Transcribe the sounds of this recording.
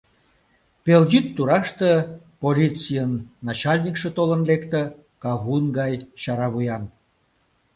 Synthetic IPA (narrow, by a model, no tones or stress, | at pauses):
peljyt̪ːuɾɑʃt̪ə̆ | polʲit͡sijənːɑt͡ɕɑlʲnʲikʃet̪olənlekt̪ə̆ | kɑβunɡɑjt͡ɕɑɾɑβujɑn